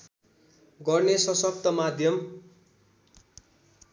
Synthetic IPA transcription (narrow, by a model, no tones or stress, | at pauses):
ɡʌrnesʌsʌk̚t̪ʌmad̪ʱjʌm